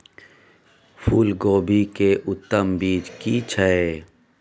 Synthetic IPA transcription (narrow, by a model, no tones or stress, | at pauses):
fʰuːlɡoːbikeʔʊt̪ːəmbiːd͡ʒkit͡ʃʰəe